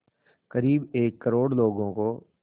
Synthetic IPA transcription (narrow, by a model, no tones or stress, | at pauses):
kəɾiːbeːkːəɾoːɽloːɡõko